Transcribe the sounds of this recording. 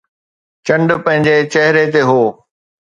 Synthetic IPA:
t͡ɕɐ̃ɳɖpɐ̃ɦɪ̃ɲd͡ʑet͡ɕɛɦɪɾet̪eɦoː

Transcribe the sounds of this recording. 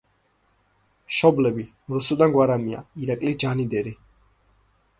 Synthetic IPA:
ʃɔblɛbi | ɾusud̪anɡwaɾamia̰iɾakʼlid͡ʒanid̪ɛɾi

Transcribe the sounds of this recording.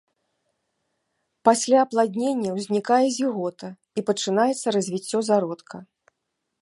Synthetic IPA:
pasʲlʲaɐplˠad̪ʲnʲenʲːɐwzʲnʲikajɛzʲiɣɔt̪ɐ | ipɐt͡ʂɨnajɛt̪sːɐɾɐzʲvʲit͡sʲːɔzaɾɔt̪kʰɐ

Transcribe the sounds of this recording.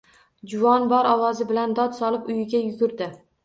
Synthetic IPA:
d͡ʒʊvɒnbɒɾɒwɒzɪbɪland̪ɒd̪sɒlɪpʊjɪɡʲajʊɡʲʊɾd̪ɪ

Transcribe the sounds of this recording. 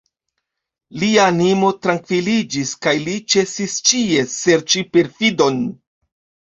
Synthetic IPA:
liaːnimo̞tɾaŋkvilid͡ʒiskajlit͡ʃe̞sist͡ʃie̞se̞ɾt͡ʃipe̞ɾfido̞n

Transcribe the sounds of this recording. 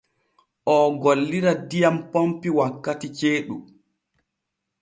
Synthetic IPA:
ʔɔɡolːiɾadijampompiwakːatit͡ʃeːɗu

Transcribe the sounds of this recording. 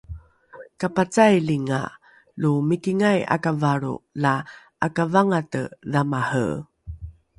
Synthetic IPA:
kapat͡sajliŋa̰ | lumikiŋaja̰kavaɾṵla | ʔakavaŋatə̰ðamahə̰

